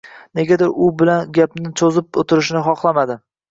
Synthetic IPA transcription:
ne̞ɡʲad̪ɪɾʊbɪlanɡʲapnɪt͡ʃʰozɪp̚ot̪ʰɪɾɪʃnɪχɒχlˠamad̪ɪ

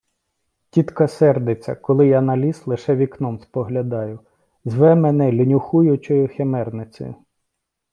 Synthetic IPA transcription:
tʲit̪kɐsɛrd̪et͡sʲːɐ̰kɔlˠɪjanɐlʲislˠɪʃɛʋʲiknɔmspɔɦlʲɐd̪ɑjʊ | zʋɛmenɛlʲinʲʊxujʊt͡ʃɔjʊxemɛrnɪt͡sʲɪ̰jʊ

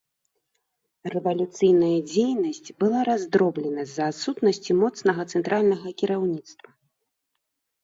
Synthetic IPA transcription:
rɛvɐlʲut̪sɨjn̪ɐjɐd͡zʲejnɐsʲt͡sʲbɨlˠaɾazd̪ɾɔblʲɛnɐzɐːt̪sut̪nɐsʲt͡sʲimɔt̪snɐɣɐt̪sɛnt̪ɾʔalʲnɐɣɐkʲiɾawnʲit̪st̪vɐ

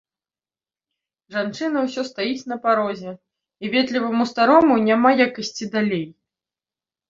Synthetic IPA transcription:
ʐant͡ʂɨn̪ɐwsʲɔst̪ajit͡sʲn̪ɐpaɾɔzʲɛ | ivʲɛt̪lʲivɐmust̪aɾɔmunʲamajakɐsʲt͡sʲid̪alʲej

